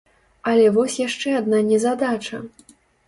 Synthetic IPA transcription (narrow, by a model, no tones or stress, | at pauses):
ɐlʲɛvɔsʲjaʂt͡ʂɛad̪nanʲɛzad̪at͡ʂɐ